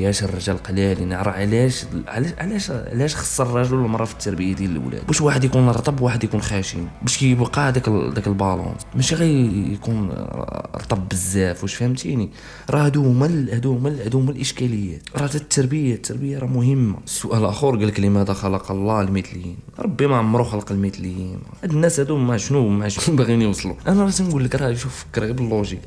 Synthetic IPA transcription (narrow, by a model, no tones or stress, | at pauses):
jæʃərˤːɑʒælqəlælinəʕɾəʕlæʃʕʕlæʃʕlæʃxɑ̥sˤːɑɾˤrˤɑʒlmɑɾˤːɑfə̥t̪ːɑɾˤbəjːad̪jælə̰lw̰læ̰d̪bæʃwaħəd̪jkunɾˤt̪ˤɑbwaħəd̪jkunxæʃḭmbæʃkæjbqɑʕd̪ækd̪ækəlbɑlɑ̰smæʃɣijjkun | ɾˤt̪ˤɑbːəzːæfwæʃfhəmt̪ʰini | ɾˤɑhæd̪umæhæd̪uhmælhæd̪uhmælʔəʃkæləjːæt̪ɾˤɑhd̪æt̪ːɑɾˤbəjat̪ːɑɾˤbəjːaɾˤɑmʊhəmːa̰sːʊʔælʔæxuɾˤɡælkəlimæhæd̪æxɑlɑqɑlˤːɑlmit̪ləjḭnɾˤɑbːimaʕamːɾuxɑlqlmit̪ljinʕad̪ənːæshæd̪umaʕʃnumaʕʃnujbæɣinjwsˤluʔænæmæsinɡulːəkɾˤɑjʃufəkɾblːoʒi